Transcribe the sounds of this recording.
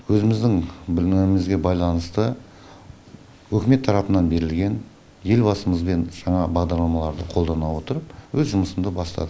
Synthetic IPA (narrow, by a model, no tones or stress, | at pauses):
wɵzɪmɪzd̪ɪŋbɪlɪmɪzɡʲe̞bɑjlˠɑnəst̪ə | wɵkʲɪme̞t̪ʰːɑɾɑpənɑnbe̞ɾɪlɡʲe̞n | je̞lbɑsəməzbe̞nʒ̥ɑɴɑbɑʁd̪ɑɾlˠɑmɑlˠɑɾd̪əqʰo̞lˠd̪ɑnɑwo̞t̪əɾəp̚wɵzʒʊməsəmd̪əbɑst̪ɑ̰d̪ə